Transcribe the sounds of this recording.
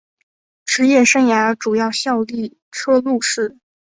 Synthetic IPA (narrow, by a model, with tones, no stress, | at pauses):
ʈ͡ʂɻ̩˧˥jɛ˥˩ʂɤ˥ŋja˧˥ʈ͡ʂu˨˩jɑ˥˧ʊɕjɑ˥˧ʊli˥˩ | ʈ͡ʂʰɤ˥lu˥˧ʂɻ̩˥˩